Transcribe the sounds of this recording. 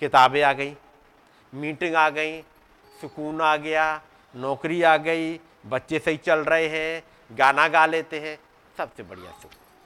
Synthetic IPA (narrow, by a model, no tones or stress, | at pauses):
kɪt̪aːbẽaːɡəiː | miːʈɪ̃ŋɡaːɡəiː | sʊkuːnaːɡɪjaː | nɔːkɾiaːɡəiː | bətːʃesəit͡ʃəlɾəɦeɦɛ̃ː | ɡaːnaɡaːleːt̪eɦɛ̃ː | səbsebəɽija̰sʊk